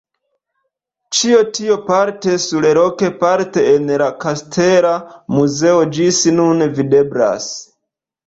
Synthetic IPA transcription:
t͡ʃio̞tio̞paɾte̞suɾeɾo̞ke̞paɾte̞ːnlakastʰeɾamuze̞od͡ʒisnunvide̞bla̰s

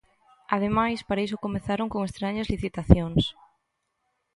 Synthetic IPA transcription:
aðemajspaɾaisʊkomeθaɾoŋkoŋest̪ɾaɲɐzliθit̪aθjoŋs

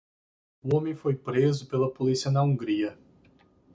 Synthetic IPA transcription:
ʊõmẽfojpɾezʊpelɐpolisiɐnɐũɡɾiɐ

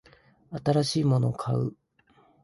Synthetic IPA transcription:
at̪aɾaɕiːmo̞no̞kʰaɯ̰

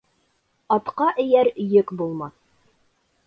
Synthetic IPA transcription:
ɑt̪qɑʔɘ̆jæɾjɘkbulˠmɑθ

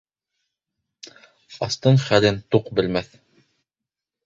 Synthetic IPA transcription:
ɑ̰st̪ɤɴχælɘnt̪uqbɘ̆lmæθ

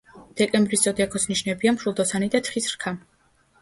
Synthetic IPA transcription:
d̪̥ɛkʼɛmbɾiszʼɔd̪iakʰɔsniʃnɛbiamʰɾulˠd̪ɔsanid̪at̪ʰχisɾkʰa

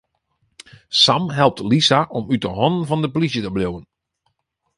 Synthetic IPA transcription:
samɦɛlˠp̚tlisaʔɔmytəɦɔnənvɑndəplisjətəblowən

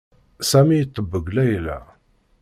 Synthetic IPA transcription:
sæmijt̪ˤːəbːəɡlæjlæ̰

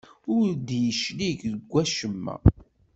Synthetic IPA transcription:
ʊɾd̪jəʃliʝðəɡʷːæʃəmːæ̰

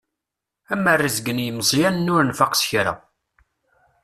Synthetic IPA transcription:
æmːərːizɡənjəməzˤjænnːʊɾnfaqsçɾa̰

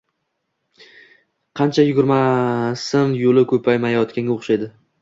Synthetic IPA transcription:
qʰɑnt͡ʃʰajʊɡʲʊɾmasɪnjolɪkʲʰɵpʰajmajɒt̪kʲanɡʲoχʃajd̪ɪ

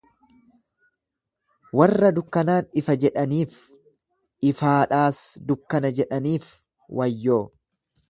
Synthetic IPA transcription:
wɐrːɐd̪ʊkːɐnaːnɪfɐd͡ʒɛᶑɐniːf | ʔɪfaːᶑaːsd̪ʊkːɐnɐd͡ʒɛᶑɐniːf | wʔɐjːoː

